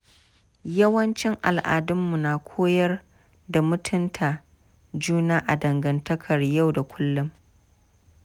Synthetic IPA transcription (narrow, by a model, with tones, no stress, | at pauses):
jɐ˦wɐ˦nt͡ʃɪ˦ŋʔa˨lʔa̰ː˨dʊ˦mːu˨naː˨kʷʰoː˦jɐ˦r | da˨mʊ˦tʰʊ˦ntʰaː˨ | d͡ʒuː˦naː˦ʔa˨dɐ˨ŋɡɐ˨ntɐ˦kʰɐ˨rja˦˨wda˨kʷʰʊ˦lːʊ˦m